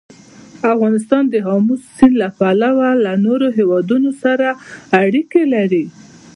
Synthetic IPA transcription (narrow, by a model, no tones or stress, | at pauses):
afɣɑnɪst̪ɑnd̪əɦɑmusːinlapalawalanoɾoɦewɑd̪unosaɾaːɽikelaɾi